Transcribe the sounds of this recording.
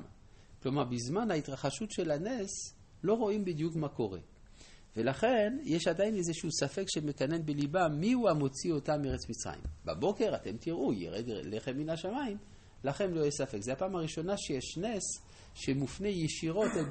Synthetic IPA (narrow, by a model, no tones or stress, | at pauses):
klomaʁbizmanhaitʁaχaʃutʃe̞lanes | lo̞ʁo̞imbidjukmako̞ʁḛ | velaχe̞njeʃadainezeʃusafe̞kʃemekane̞nbelibamiuamo̞t͡sio̞tameʁet͡smit͡sʁa̰jḭmba̰bo̞ke̞ʁate̞mtiʁʔujḛʁeɡleχeminaʃamaim | laχe̞nlo̞jesafe̞kzeapaːmaʁiʃo̞naʃejeʃnes | ʃemufne̞jeʃiʁo̞te